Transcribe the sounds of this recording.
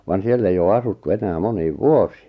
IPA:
ʋɑn sielː ei oː ɑsutːu enæː moniːʋ ʋuosi̥ː

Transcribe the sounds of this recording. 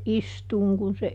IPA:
ʔistuːŋ kun se

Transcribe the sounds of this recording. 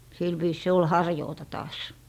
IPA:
sil ʋiːs se ol hɑrjoːtɑ tɑːs

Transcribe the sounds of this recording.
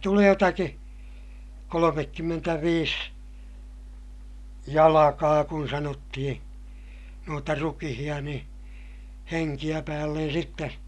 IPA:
tuleː jotɑki kolomekːymːentæʋiːs jɑlɑkɑː kun sɑnotːihĩː nuotɑ rukihij̆ɑ nĩː heŋkij̆æ pæːlːen sitːe

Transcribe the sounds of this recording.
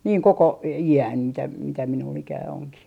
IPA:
niːŋ koko iæn mitæ mitæ minulː ikæː oŋkih

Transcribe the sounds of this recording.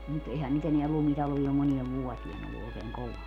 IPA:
mut ehæn nyt eneæ lumtɑlʋiː om monieʋ ʋuotien olːu oˑekeːŋ koʋɑː

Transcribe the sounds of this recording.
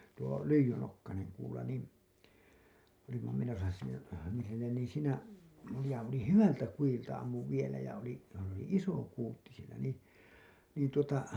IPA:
tuo lyijynokːɑneŋ kuːlɑ niˑn olimːɑ menosɑ siːnæ niː sinːen niː siːnæ jɑ oli hyʋæltæ kujiltɑ ɑmːuʋ ʋielæ jɑ oli s oli iso kuːtːi sielæ niˑ niːn tuotɑ

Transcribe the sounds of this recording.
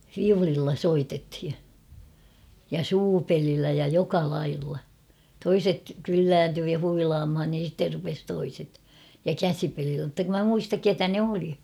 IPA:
fiulilːɑ soitethi jɑ suːpelilːæ jɑ jokɑ lɑilːɑ toiset kylːæːntyː jɑ huilɑːmhɑn nii̥n̞ sitːer rupes toiset jɑ kæsipelilːæ mŭtːɑ kum mæ muistɑk ketæ ne oli

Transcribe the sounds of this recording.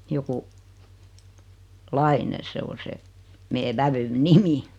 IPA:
joku lɑine se o se meː ʋæʋyn nimi

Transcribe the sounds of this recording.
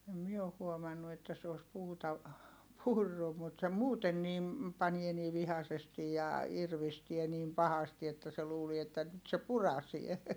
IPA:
em mie oh huomɑnːu etːæ se os puːtɑ purːu mut se muːten nim pɑnie niː ʋihɑsestij jɑ irʋistie niːm pɑhɑsti etːæ se luːlie etːæ nyt se purɑsie

